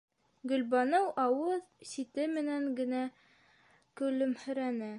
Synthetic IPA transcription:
ɡɵ̆lbɑnɤwʔɑwɤðsit̪ɘmɘ̆næŋɡɘ̆næ | kɵ̆lɵmhɵ̆ɾænɘ

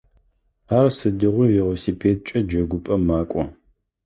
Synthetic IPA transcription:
aːrsɨdɨʁʷʊwiʁʷɔsiːpʰeːt̚t͡ʃʼɐd͡ʒɐɡʷʊpʼɐmaːkʷʼɔ

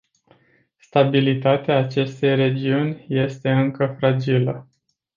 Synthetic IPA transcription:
st̪abilit̪at̪eaːt͡ʃe̞st̪e̞jre̞d͡ʒiunʲje̞st̪e̞ɨŋkəfɾad͡ʒilə

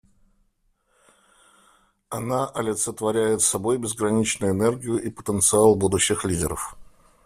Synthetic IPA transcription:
ɐnaʔɐlʲɪt̪sət̪vɐɾʲæjɪt̪sɐbo̞jbʲɪzɡɾɐnʲit͡ɕnʊjʊɪnɛrɡʲɪjʊʔipə̥t̪ənt̪sɨalˠbud̪ʊɕːɪxlʲidʲɪɾə̰f

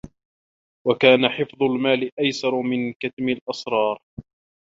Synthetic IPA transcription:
wakaːnaħɪfðˤʊlmaːlɪʔajsɑɾˤmɪnkat̪mɪlʔɑsɾˤɑːɾˤ

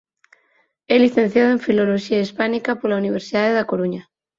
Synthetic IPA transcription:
eliθẽ̞n̟θjaðoẽ̞ɱfilo̞lo̞ʃiaispanikapoɾlauniβ̞e̞ɾsiðaðeðako̞ɾuɲa

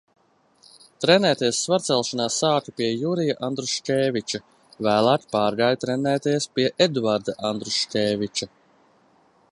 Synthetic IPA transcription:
t̪ɾenɛːt̪eɛsːvaɾt̪sɛlˠʃanaːsaːkupiɛjuɾijaʔand̪ɾuʃcʲeːvit͡ʃa | væːlˠaːkʲi̥paːɾɡaːjt̪ɾenɛːt̪ɛɛspiɛʔed̪vaɾd̪aʔand̪ɾuʃcʲɛːvʲit͡ʃa

